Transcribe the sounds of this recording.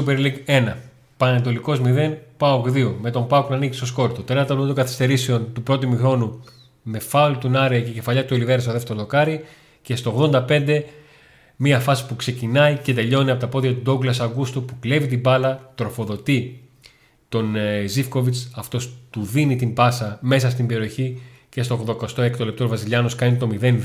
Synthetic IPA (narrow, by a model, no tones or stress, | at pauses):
upeɾliɡe̞nɐ | pɐnneɐt̪̬o̞liko̞zmiðe̞npɐokðio̞me̞t̪o̞mpɐoknɐnicist̪o̞sko̞ɾt̪ot̪et̪ɐɾt̪ɐt̪oɡɐθi̥st̪eɾise̞o̞nt̪upɾo̞t̪imuxɾo̞nu | me̞fɐlut̪unɐɾeɐce̞ce̞fɐʎɐt̪uoliveɾest̪oðe̞ft̪eɾolo̞kɐɾi | ce̞st̪o̞oɣðo̞nd̪ɐpe̞nd̪e̞ | miɐfɐsi̥pukse̞cinɐice̞t̪e̞ʎo̞niɐpo̞t̪ɐpo̞ðʝɐt̪ud̪o̞ɡlɐsɐɡust̪upukle̞vit̪̬ibɐlɐt̪ɾo̞fo̞ðo̞t̪i | t̪o̞nzifko̞vit͡sɐft̪o̞st̪uðinit̪imbɐsɐme̞sɐst̪imbe̞ɾio̞çi | ce̞st̪o̞ɣðo̞kost̪oekt̪olep̚t̪ovɐsiʎɐno̞skɐnit̪o̞miðe̞n